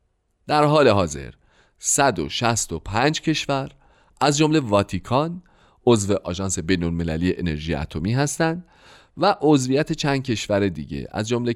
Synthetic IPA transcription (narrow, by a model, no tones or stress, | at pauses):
d̪̥æɾɦɒːle̞ɦɒːze̞̰ɾ | sæd̪o̞̰ʃæst̪o̞pʰænd͡ʒcʰe̞ʃvæɾ | ʔæzd͡ʒomle̞vɒːt̪ʰikʰɒn | o̞zve̞ʔɒːʒɒːnse̞bejnolme̞læ̰liːeʔene̞ɾʒiːjḛæ̰t̪ʰomiːɦæst̪ænd̪ | væʔozvijæt̪ʰe̞t͡ʃʰænd̪̥̚cʰe̞ʃvæɾe̞d̪ḭːɟe̞̰æ̰zd͡ʒomle